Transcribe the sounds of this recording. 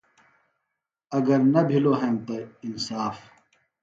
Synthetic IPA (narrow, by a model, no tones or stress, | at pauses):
ɐɡɐɾnɐbʱiloɦemt̪ɐinsaːf